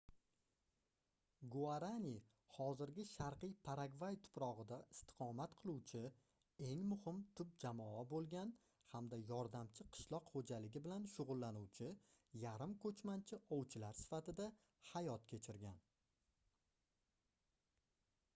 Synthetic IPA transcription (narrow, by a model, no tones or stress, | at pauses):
ɡuaɾanʲi | hɒzɪɾɡʲɪʃaɾqɨjpʰaɾaɡvajt̪ʰʊ̥pɾɒʁɨd̪aɪst̪ɪ̥qʰɒmat̪qʰɨlˠuwt͡ʃʰɪ | e̞ŋmʊhɪmt̪ʰʊp̚d͡ʒamɒabolˠɡʲan | hamd̪ajɒɾd̪amt͡ʃʰɪqʰɨ̥ʃlˠɒqχod͡ʒalɪɡʲɪbɪlanʃʊʁʊlˠːanuwt͡ʃʰɪjaɾɪmkʰɵt͡ʃmant͡ʃʰɪʔɒwt͡ʃʰɪlaɾsɪ̥fat̪ɪd̪a | hajɒt̪kʲʰe̞t͡ʃʰɪɾɡʲan